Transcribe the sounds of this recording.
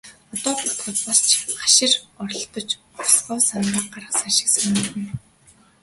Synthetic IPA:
ɔt̪ɔːpʊt̪χə̆t̪̚pɔst͡ɕʰχḁʃɪ̆rɔrɞ̆ɬt̪ɞ̆t͡ɕ | ɔsɢɔːsanrə̆q̚ɢaɾə̆χsaʃɪ̥̆ksunit̪ɘ̆n

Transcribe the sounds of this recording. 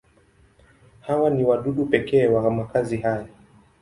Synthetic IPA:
hawaniwaɗuɗupɛkɛːwamakazihaja

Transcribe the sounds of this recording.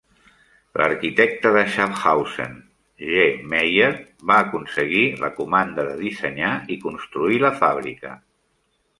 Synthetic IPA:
lʔə̰ɾkit̪ɛk̚t̪əðəʃapxawsḛn | ʒemejəɾ | βaːkunsəɣilə̰kumand̪əðəðisəɲaikunst̪ɾuiləfaβ̞ɾḭkə̰

